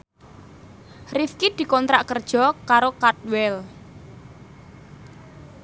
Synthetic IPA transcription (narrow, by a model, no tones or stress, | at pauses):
rifkid̪̥i̤kɔnt̪ɾaʔkərd̥ʒ̥ɔ̤kaɾokat̪̚wɛl